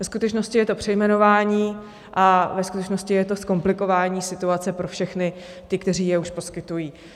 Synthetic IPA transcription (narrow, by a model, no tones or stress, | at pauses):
vɛskut̪ɛt͡ʃno̞scɪjɛt̪o̞pr̝̥ɛjmɛno̞vaːɲiː | ʔavɛskut̪ɛt͡ʃno̞scɪjɛt̪o̞sko̞mplɪko̞vaːɲiːsɪt̪uat͡sɛpɾo̞fʃɛxnɪ | t̪ɪkt̪ɛriːjɛuʃpo̞skɪt̪ujiː